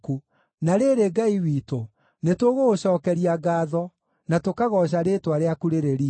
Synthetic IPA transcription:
ku | naɾeːɾeɡaiwiːto | netoɣoɕɔːkɛɾiaɡaːðɔ | natokaɣɔɕ̬aɾetwaɾeakuɾeɾeɾi

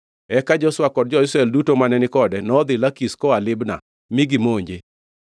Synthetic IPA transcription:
ɛkad͡ʒɔswakɔd̚d͡ʒɔɪsɾaeldutomanɛnɪkɔdɛnɔd̪ɪlakiskɔalɪbna̰ | miɡimoɲd͡ʒe

